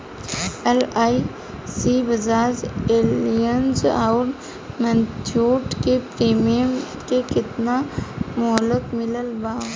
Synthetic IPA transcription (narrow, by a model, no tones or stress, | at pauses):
elaːi | sibəzaːd͡ʒeːlijənzɔʊɾ | mə̃nt̪ʰjuːʈkepɾiːmijəm | kekɪt̪namʊɦələk̪mɪləlbaː